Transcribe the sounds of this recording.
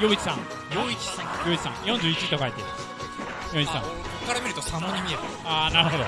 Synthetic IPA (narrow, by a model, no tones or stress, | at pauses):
joːit͡ɕi̥sãŋ | joit͡ɕi̥sãjoːit͡ɕi̥sã̰jõɲ̟d͡ʑɨːit͡ɕit̪okait̪emas | jõɲid͡ʑisãkokːaɾamiɾɯ̟t̪o̞samoɲ̟imʲie̞ɾɯ | aːnaɾɯ̟hod̪o